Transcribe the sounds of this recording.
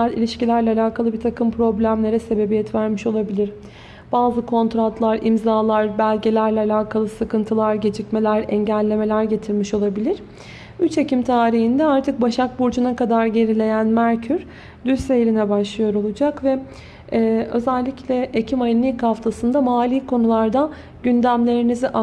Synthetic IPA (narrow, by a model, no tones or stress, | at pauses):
aɾilʲiʃcilʲæɾlʲɛːlʲaːkʰalˠɯbit̪ʰakʰɯmpʰɾo̞blʲæmlʲe̞ɾɛse̞be̞bijɛt̪væɾmiʃo̞lˠabilʲiɾ | b̥aːzɯkʰo̞nt̪ɾat̪lˠaɾḭmzaːlˠaɾbælʲɟe̞lʲæɾlʲɛalʲaːkʰalˠɯsɯkʰɯnt̪ʰɯlˠaɾɟe̞d͡ʒicme̞lʲæɾɛɲɟælʲːe̞me̞lʲæɾɟe̞t̪ʰiɾmiʃo̞lˠabilʲiɾ̥ | yt͡ʃe̞cimt̪ʰaːɾiɦind̪ɛaɾt̪ʰɯk̚baʃak̚buɾd͡ʒunakad̪aɾɟe̞ɾilʲe̞jænmæɾcʰyɾ | d̪ysejɾʲinɛbaʃlˠɯjo̞ɾo̞lˠud͡ʒakvɛ | ø̞̰zælʲːicʰlʲɛʔecʰimajɯnikhaft̪ʰasɯnd̪amaːlʲiːkʰo̞nulˠaɾd̪a | ɟynd̪æmlʲe̞ɾiniziʔa